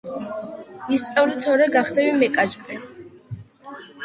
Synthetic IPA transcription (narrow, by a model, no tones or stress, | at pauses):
ist̪sʼawɾit̪ʰɔɾɛɡaχd̪ɛbimɛkʼad͡ʒbʼɛ